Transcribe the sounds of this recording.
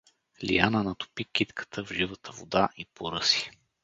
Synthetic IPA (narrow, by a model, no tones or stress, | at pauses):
lḭjanənɐt̪ʊ̥pikit̪kʰə̥t̪ʰəvʒivət̪ʰəvo̰d̪aʔipʰoɾɤsi̥